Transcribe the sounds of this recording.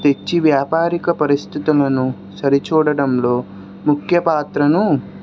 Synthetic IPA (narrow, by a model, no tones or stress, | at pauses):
t̪e̞t͡ʃːiʋjaːpaːɾikɐpɐɾist̪ʰit̪ulɐnu | sɐɾit͡ʃuːɽɐɽɐmloː | mukʰjɐpaːt̪ɾɐnu